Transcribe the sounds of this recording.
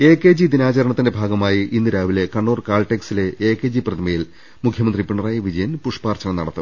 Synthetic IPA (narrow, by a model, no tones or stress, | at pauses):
e̞ːkːe̞ːd͡ʑid̪inaːt͡ɕɐɾɐɳɐt̪ːinde̞bʱaːɡɐmaːjiʔinːiɾaːʋile̞kɐɳːoːrkaːlʈeksile̞eːkːeːd͡ʑiprɐt̪ʰɐmɐjil | mukʰjɐmɐnd̪ripiɳɐraːjiʋid͡ʑɐjɐnpuʂpaːrt͡ɕɐɳɐmnɐɽɐt̪ːɨ